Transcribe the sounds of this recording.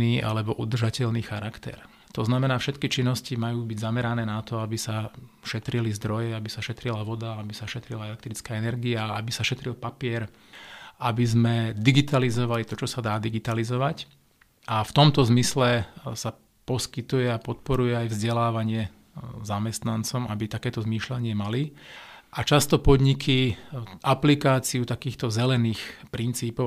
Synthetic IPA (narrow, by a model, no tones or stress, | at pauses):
iːʔa̰lɛbɔʔud̪r̩ʒacɛʎniːxaɾakt̪ɛ̰ɾ | t̪ɔznamɛnaːfʃɛt̪kit͡ʃinːɔscimajuːbiɟzamɛɾanɛːnat̪ɔabisaʃɛt̪ɾilizd̪ɾɔjɛabisaʃɛt̪ɾilaʋɔd̪aabisaʃɛt̪ɾilaɛlɛk̚t̪ɾit͡skaːɛnɛɾɡiaabisaʃɛt̪ɾilpapɪɛɾ | ʔabizmɛd̪iɡit̪alizɔʋalit̪ɔt͡ʃɔsad̪aːd̪iɡit̪alizɔʋac | ʔaft̪ɔmt̪ɔzmislɛsa | pɔskit̪ujɛapɔt̪pɔɾujɛajvzɟɛlaːʋaɲɪɛ | zamɛst̪nant͡sɔmabit̪akɛːt̪ɔzmiːʃlaɲɪɛmaliʔat͡ʃast̪ɔpɔd̪ɲikʰiʔaplikaːt͡siut̪akiːxt̪ɔzɛlɛniːxpɾint͡siːpɔ